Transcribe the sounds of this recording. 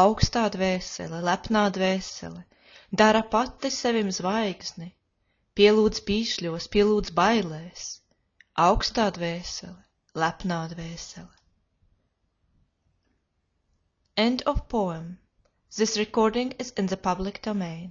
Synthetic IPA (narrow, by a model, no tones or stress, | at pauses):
awkst̪aːd̪vɛːsɛ̰lɛlæpnaːd̪vɛːsɛ̰li | d̪aɾapat̪ːisɛvimzvajɡz̥ni | pʲiɛlˠuːd̪z̥piːʃlʲuɔspʲiɛlˠuːd̪zbajlɛːs | awkst̪aːd̪vɛːsɛ̰li | læpnaːd̪vɛːsɛlɛ | ɛ̃nd̪ɔfpɔɛm | zisɾɛkɔɾd̪ĩŋɡɪzɪnðəpablˠikd̪̥ɔmɛjn